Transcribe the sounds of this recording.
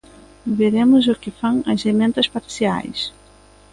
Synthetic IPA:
veɾemʊzʊkɪfɐ̃ŋɐ̰zemẽnt̪ɐspaɾsia̰js

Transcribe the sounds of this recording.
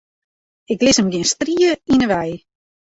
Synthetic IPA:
ɪklɪsəmɡɪənstriəinəʋɛj

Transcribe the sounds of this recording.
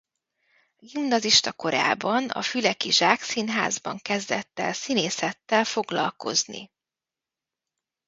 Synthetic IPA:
ɡimnɒziʃt̪ɒko̞ɾa̰ːbɒnɒ̰fylɛkiʒaːksinɦa̰ːzbɒŋkɛzd̪ɛt̪ːɛ̰lsineːsɛt̪ːɛlfo̞ɡlɒ̰lko̞̰znḭ

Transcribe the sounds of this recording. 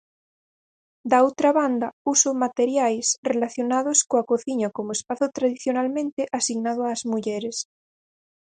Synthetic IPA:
d̪aowt̪ɾaβand̪ausomat̪eɾjajsrelaθjonað̞oskoakoθiɲakomoespaθot̪ɾaðiθjonalmẽnt̪eʔasiɣnað̞oaːzmuʎɛɾes

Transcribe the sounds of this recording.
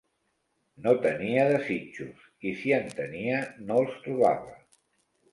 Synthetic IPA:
not̪əniəðəzit͡ʃus | isiənt̪əniənolˠst̪ɾuβa̰βə

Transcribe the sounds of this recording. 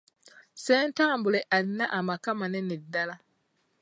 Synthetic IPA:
sɛntaŋbʊleʔanːaʔamakamanɛnɪdala

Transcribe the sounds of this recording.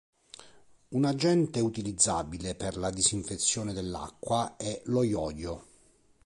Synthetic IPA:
unad͡ʒɛnt̪eut̪ilid̪zːaːbileperlad̪iziɱfet̪sːjoːned̪elːa̰kːwaɛlɔjɔjo

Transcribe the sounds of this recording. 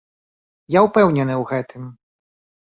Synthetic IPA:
jawpɛwnʲɛnɨwɣɛt̪ʰɨm

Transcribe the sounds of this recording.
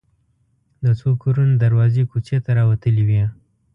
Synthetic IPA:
d̪ət͡sokoɾunad̪aɾwɑzekut͡ʃet̪aɾɑwat̪əliwi

